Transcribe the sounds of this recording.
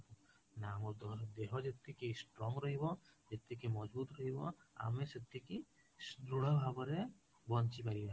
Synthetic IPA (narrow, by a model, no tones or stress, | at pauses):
namud̪eɦɔd͡ʒet̪ːikejsʈɾɔŋɡɾɔɦibɔd͡ʒet̪ːikimɔd͡ʒbut̪ɾɔɦibɔ̰a̰meset̪ːiki | sd̪ɾuɽ̤abʱabɔɾe | bɔnt͡ʃipaɾiba